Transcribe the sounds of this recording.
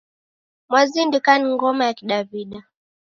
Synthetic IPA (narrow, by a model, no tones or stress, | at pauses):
mwazindikaniŋɡɔmajakiɗaviɗa